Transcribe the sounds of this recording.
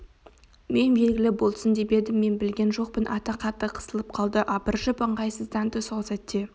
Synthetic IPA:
me̞nbe̞lɡʲɪlɪbo̞lˠsənd̪e̞be̞d̪ɪmːe̞nbɪlɡʲe̞nʒo̞q̚pənʔɑt̪ɑqʰɑt̪ːəqʰə̥səlˠəp̚qʰɑlˠd̪əʔɑpəɾʒəpəɴʁɑjsəzd̪ɑnt̪ʰʏsɑlˠsɑt̪ːe

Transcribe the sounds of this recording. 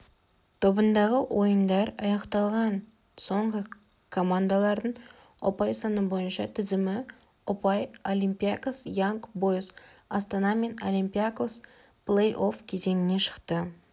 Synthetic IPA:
t̪ʰo̞bənd̪ɑʁəwʔo̞jənd̪ɑɾɑjɑqt̪ɑlˠʁɑn | so̞ɴʁə | kʰo̞mand̪alˠɑɾd̪əɴ | opɑjsɑnəbo̞jənʃɑt̪ʰɪzɪmɪ | ʊpɑjolʲimpʲijakosjaŋkbojsɑst̪anɑme̞nolʲimpʲiakos | plˠejʔofkʲʰe̞ze̞nɪne̞ʃə̥qt̪ə

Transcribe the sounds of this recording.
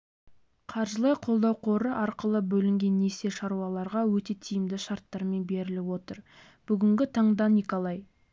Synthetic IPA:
qʰɑɾʒəlˠɑjqʰo̞lˠd̪ɑwqʰo̞ɾəʔɑɾqəlˠəbɵlɪŋɡʲe̞nːese̞ʃɑɾuwɑlˠɑɾʁɑwɵt̪e̞t̪ʰijɪmd̪ɪʃɑɾt̪ːɑɾme̞nbe̞ɾɪlɪwo̞t̪əɾ | b̥ʏɡʲɪŋɡʲɪt̪ʰɑɴd̪ɑnʲikolˠɑj

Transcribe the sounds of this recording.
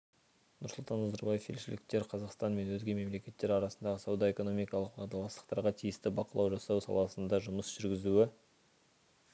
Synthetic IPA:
nʊ̰ɾslˠt̪ɑnɑzɑɾbɑjefʰelʃɪlɪk̚t̪e̞ɾqʰɑzɑqst̪ɑnme̞nwɵzɡʲeme̞mle̞kʲe̞t̪ːe̞ɾɑɾɑsənd̪ɑʁəsɑwd̪ɑe̞ko̞no̞mijkɑlˠəq̚pʰɑʁd̪ɑlˠɑst̪ə̥qt̪ɑɾʁɑt̪ʰijɪst̪ɪbɑqəlˠɑwʒɑsɑwsɑ̰lˠɑsənd̪ɑʒʊməsʒ̥ʏɾɡʲɪzuɪ

